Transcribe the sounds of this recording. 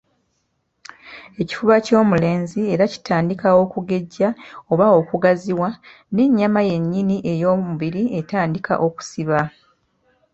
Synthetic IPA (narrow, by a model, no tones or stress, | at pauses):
e̞ci̥fuβaco̞ːmule̞ːnzie̞ɾaci̥tʰaːndikawo̞kuɡe̞ɟːao̞βao̞kuɡaziwa | ne̞ɲːamaje̞ɲːiniʔe̞jo̞ːmuβiɾie̞taːndikʰa̰ʔo̞ku̥siβa